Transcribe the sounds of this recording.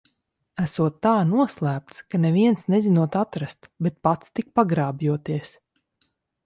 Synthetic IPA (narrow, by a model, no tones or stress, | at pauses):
æsuɔt̪ːaːnuɔslˠæːp̚t̪skanɛviɛnsnɛzinuɔt̪at̪ɾast̪bɛt̪̚pat̪st̪ik̚paɡɾaːbjuɔt̪iɛs